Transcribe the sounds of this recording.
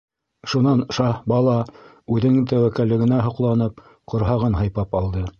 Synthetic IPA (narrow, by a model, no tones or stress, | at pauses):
ʃunɑnʃɑbɑlˠɑ | ʉðɘ̆ɘŋt̪æwækælːɘ̆ɡɘ̆næɦŏqlˠɑnɤp | qŏɾɦɑʁɤnɦɑjpɑpɑlˠd̪ɤ